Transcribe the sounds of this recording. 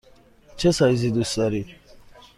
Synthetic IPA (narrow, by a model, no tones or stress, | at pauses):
t͡ʃʰɛsajzid̪usaɾi